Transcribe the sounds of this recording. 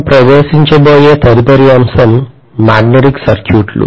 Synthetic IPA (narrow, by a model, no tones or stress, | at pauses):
pɾɐʋeːsiɲt͡ʃɐboːjeːt̪ʰɐɾipɐɾiɐmsɐmː | aːɡneʈiksɐɾkjuːʈlṵ